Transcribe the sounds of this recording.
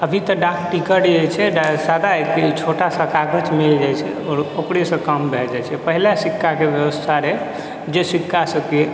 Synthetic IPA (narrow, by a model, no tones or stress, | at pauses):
əbʱit̪əɖakʈikəɽet͡ʃʰɛɖasad̪aket͡ʃʰoʈasə̃kaɡət͡ʃmeld͡ʒajt͡ʃʰɛ̰ | ɔɾokɽesə̃kəmbʱɛld͡ʒajt͡ʃʰɛpəɦilasikːakebjəbəst̪ʰaɾe | d͡ʒesikːasə̃ke